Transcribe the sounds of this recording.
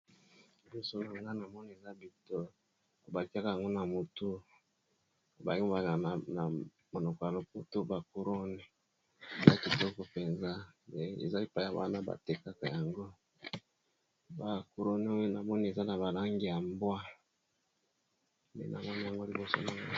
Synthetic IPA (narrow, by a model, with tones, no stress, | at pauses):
i˨bɔ˦so˦na˨ŋɡa˦na˨mɔ˦ni˦e˨za˦bi˨to˦ | o˨ba˨ki˦a˦ka˨ja˨ŋɡo˦na˨mo˨tu˦˨ | ba˨ji˦˨ba˨a˨na˨ | mo˨nɔ˨kɔ˨ja˨lo˨po˦to˦ba˨ko˨ɾo˦nɛ˨ | e˨za˦ki˨tɔ˦kɔ˨pe˨nza˦e˨ḛ˨za˦i˦˨pa˦˨a˨ba̰˦na˦ba̰˨te˨ka˦ka˨ja˨ŋɡo˦ | ba˨ko˨ɾo˦nɛ˦o˦jo˦na˨mɔ˦ni˦e˨za˦na˨ba˨la˦ŋɡi˦˨ja˨mbwa˦ | mɛ̰˨nʔa̰˨mɔ˦ni˦ja˨ŋɡo˦li˨bo˦so̰˦na˨ŋɡa˦